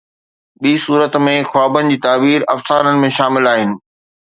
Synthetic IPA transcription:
ɓiːsuːɾət̪mẽxaːbənɪ̆d͡ʑiːt̪aːbiːɾɐfsaːɾənɪ̆mẽʃaːmɪlaːɦɪnɪ̆

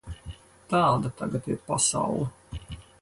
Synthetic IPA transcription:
t̪aːd̪at̪aɡat̪iɾpasa̰wlˠu

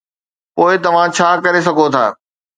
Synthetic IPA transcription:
poːɪt̪ɐʋ̤ãt͡ɕʰaːkɐɾes̬ɐɡʱot̪ʰa̰ː

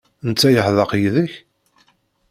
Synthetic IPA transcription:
nt͡sːæjəħðɑqjðəç

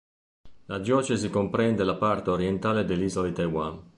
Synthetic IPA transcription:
lad̪jɔːt͡ʃezikompɾɛnd̪elapart̪eoɾjent̪aːled̪elːizolit̪ajwan

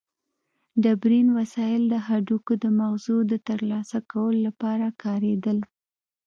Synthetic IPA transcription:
ɖabɾinwasɑjɪld̪əɦaɖukod̪əmaɣzud̪ət̪əɾlɑsakawəlolapɑɾakɑɾed̪əl

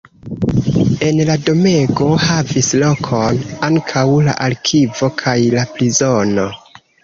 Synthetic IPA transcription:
e̞nlado̞meɡo̞havislo̞kʰonaŋkʰawla̰ʔalkʰivo̞kʰajlaplizo̞no̞

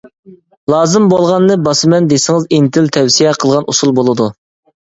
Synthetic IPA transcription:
lˠɑːzɨmbolˠʁɑnːɨbɑsɨmɛnd̪esɪŋɨzint̪ʰɪlt̪ʰɛwsijɛqʰəlˠʁɑnusulˠbolˠɨd̪u

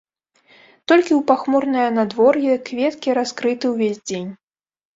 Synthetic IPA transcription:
t̪ɔlʲkʲiuwpaxmɔrnɨjɐnad̪vɔrjɛkvʲɛt̪kʲiɾaskɾɨt̪ɨwvʲezʲd͡zʲenʲ

